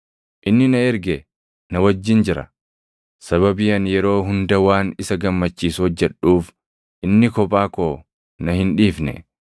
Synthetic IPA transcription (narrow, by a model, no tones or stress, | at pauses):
ʔɪnːɪnɐɛɾɡɛ | nɐwɐd͡ʒːɪnd͡ʒɪɾɐ̰ | sɐβɐbɪjɐnjɛɾo̞ːɦʊnd̪ɐwaːnɪsɐɡɐmːɐt͡ʃːiːshɔd͡ʒːɛᶑuːf | ʔɪnːɪkɔpʼaːkoː | nɐhɪnᶑiːfnɛ̰